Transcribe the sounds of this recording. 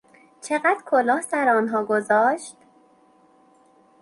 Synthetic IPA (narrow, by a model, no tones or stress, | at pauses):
t͡ʃʰeɣæd̪ɾkʰolɒːhsæɾɒːnɦɒːɡozɒːʃt̪